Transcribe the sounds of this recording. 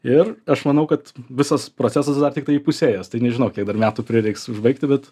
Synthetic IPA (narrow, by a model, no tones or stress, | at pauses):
ɪrɐʃmɐnɐʊkɐt̪ʋʲɪsɐspɾot͡sʲæːsɐsd̪ɐrt̪ʲɪkt̪ɐɪipʊsʲeːjɛst̪ɐɪnʲɛʒʲɪnɐʊkʲiɛɡ̚d̪ɐrmʲæːt̪uːpʲɾʲɪɾʲɛɪksʊʒbɐɪk̚t̪ʲɪbʲɛt̪